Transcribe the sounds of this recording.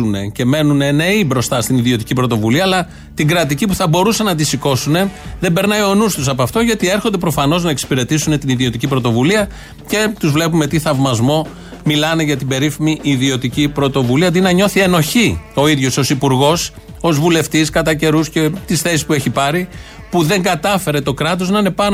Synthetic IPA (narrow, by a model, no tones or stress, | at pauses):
une̞ce̞me̞nunene̞ibɾo̞st̪ɐst̪iniðio̞t̪icipɾo̞t̪o̞vuliɐːlɐ | t̪iɡɾɐt̪icipuθɐbo̞ɾuse̞nɐd̪isiko̞sune̞ðe̞be̞ɾnɐioonust̪usɐp̬ɐft̪o̞ʝɐt̪ie̞ɾxo̞nd̪epɾo̞fɐno̞znɐeksi̥piɾe̞t̪isune̞t̪iniðio̞t̪icipɾo̞t̪o̞vuliɐ | ce̞t̪uzvle̞pumet̪iθɐvmɐzmo̞ | milɐne̞ʝɐt̪ibe̞ɾifimiʔiðio̞t̪icipɾo̞t̪o̞vuliɐd̪inɐɲo̞θie̞no̞çio̞iðʝo̞so̞sipuɾɣo̞s | o̞zvule̞ft̪iskɐt̪ɐce̞ɾusce̞t̪isθe̞si̥spue̞çipɐɾi | puðe̞ŋɡɐt̪ɐfe̞ɾe̞t̪o̞kɾɐt̪̬oznɐine̞pɐn